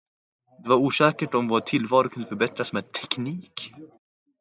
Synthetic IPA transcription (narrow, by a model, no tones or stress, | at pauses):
d̪ɛvaɾuːʂɛːkəʈɔmvaʈʰɪlvɑːɾʊkʰɵnd̪əfœɾbɛt̪ɾasmɛːd̪̚t̪ʰɛkniːk